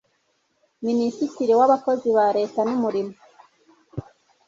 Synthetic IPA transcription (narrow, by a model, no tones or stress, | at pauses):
minisitiɾiwaβakoziβaɾe̞ːtanumuɾimo